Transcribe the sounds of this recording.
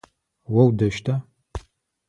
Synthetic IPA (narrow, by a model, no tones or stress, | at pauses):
wɐwdɐʃtʰa